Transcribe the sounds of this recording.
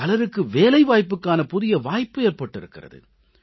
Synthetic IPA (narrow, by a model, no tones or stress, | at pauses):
ɐlɐɾɯkːɯʋeːlɐɪʋaːjpːɯkːaːnɐpʊðɪjɐʋaːjpːɯeːrpɐʈːɪɾɯkːɪrɐ̰ðɯ̰